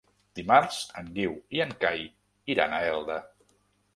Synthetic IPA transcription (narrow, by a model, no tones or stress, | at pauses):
d̪̥imaɾz̥əŋɡiwiəŋkaj | iɾa̰nəɛlˠd̪ə